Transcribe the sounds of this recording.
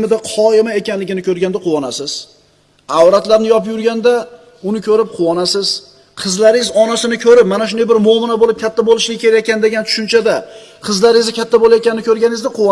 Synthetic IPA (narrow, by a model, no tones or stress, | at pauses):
mɪd̪aqʰɒɪmae̞kʲanlɪɡʲɪnɪkʰɵɾɡʲand̪aqʰʊwɒnasɪz̥ | awɾat̪laɾnɪjɒpjʊɾɡʲand̪a | ʊnɪkʲʰɵɾɪp̚qʰʊwɒnasɪz | qʰɨzlaɾɪzɒnasɪnɪkʲʰɵɾɪp̚manaʃʊnd̪ejbɪɾmʊɒmɪnabolɪp̚kʲʰat̪ʰːabolˠɪʃɪ̥ɡʲakʲʰeɾajakʲand̪e̞ɡʲant̪ʰʊ̥ʃʊnt͡ʃʰad̪a | qʰɨzlaɾɪzkʲat̪ʰːabolˠajet̪kʲanɪnɪkʲʰɵɾɡʲanɪzd̪aqʰʊwɒ